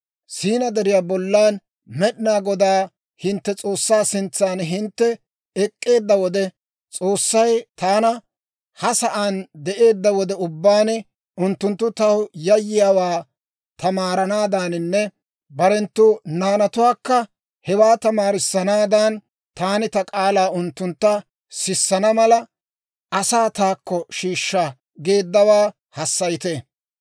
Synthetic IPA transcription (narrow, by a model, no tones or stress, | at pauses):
siːnɐd̪ɛɾɪjaːbɔlːaːn | mɛɗɪnaːɡɔd̪aː | hɪnt̪ːɛt͡sʼo̞ːsːaːsɪnt͡sːaːnɦɪnt̪ːɛ | ɛkʼːe̞ːd̪ːɐwɔd̪ɛ | t͡sʼoːsːɐjt̪aːnɐ | hɐsɐʔaːnd̪ɛʔe̞ːd̪ːɐwɔd̪ɛʊbːaːn | ʊnt̪ːʊnt̪ːʊt̪ɐwjɐjːɪjaːwaː | t̪ʰɐmaːɾɐnaːd̪anɪnːɛ | bɐɾɛnt̪ːʊnaːnɐt̪ʊwaːkːɐ | hɛwaːt̪ɐmaːɾɪsːɐnaːd̪ɐn | t̪aːnɪt̪ɐkʼaːlaːʊnt̪ːʊnt̪ːɐ | sɪsːɐnɐmɐlɐ | ʔɐsaːt̪aːkːɔʃiːʃːɐ | ɡeːd̪ːɐwaː | hɐsːɐjt̪e